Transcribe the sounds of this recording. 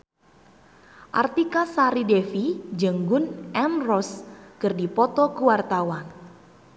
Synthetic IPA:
ʔa̰rt̪ikasaɾidefid͡ʒəŋɡʊnʔɛmrɔskɨrdipɔt̪ɔkuwart̪awan

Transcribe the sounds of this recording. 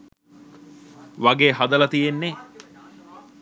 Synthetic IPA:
ʋaɡeːɦad̪ɐlɐt̪ijenːe

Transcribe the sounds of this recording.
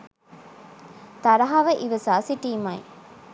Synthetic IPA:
t̪ɐɾɐɦaʋɐʔiʋɐsaːsiʈiːmɐj

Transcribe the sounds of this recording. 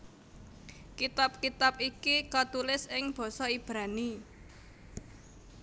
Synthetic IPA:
kit̪ap̚kit̪ap̚ikikat̪ulɪsɪŋb̥ɔ̤sɔib̥ɾani

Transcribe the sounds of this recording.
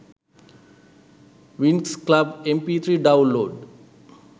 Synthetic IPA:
ʋinksklabẽmpiːt̪ʰɾiːɖãʊ̃nloːɖ

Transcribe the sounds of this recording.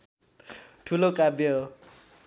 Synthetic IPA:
ʈʰulokʼabɔ

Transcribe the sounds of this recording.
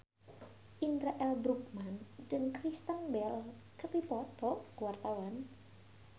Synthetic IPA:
ʔindɾaʔɛlbɾuk̚mandəŋkɾist̪anbɛl | kəpipɔt̪ɔkuwart̪awan

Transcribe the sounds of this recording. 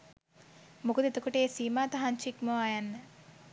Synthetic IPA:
mukud̪it̪ukuʈeːsiːmaːt̪ɐɦɐnt͡ʃʰikmoajanːɐ

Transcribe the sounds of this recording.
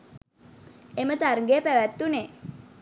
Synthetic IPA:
emət̪arŋɡeəpæʋæt̪ːune

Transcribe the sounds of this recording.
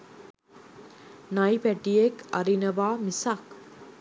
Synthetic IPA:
nɐjpæʈiekɐɾinɐʋaːmisak

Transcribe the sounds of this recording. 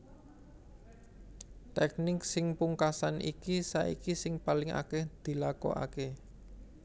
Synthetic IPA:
t̪ɛk̚nɪksɪŋpuŋkasanʔḭkisaʔḭkisɪŋpalɪŋa̰kɛhd̪̥i̤lakɔ̰a̰ke

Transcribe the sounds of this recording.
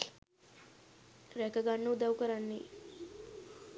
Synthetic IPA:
ɾɛkəɡanːud̪awkəɾanːiː

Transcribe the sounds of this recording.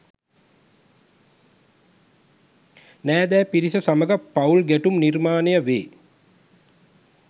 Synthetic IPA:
næːd̪ɛːpiɾisəsaməɡəpaulɡæʈumnirmaːnejəʋeː

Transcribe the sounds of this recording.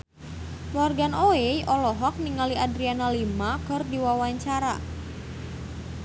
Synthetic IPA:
warɡanoejʔɔlɔɦɔk̚niŋaliʔadɾianalimakɨrdiwawaɲt͡ʃaɾa̰

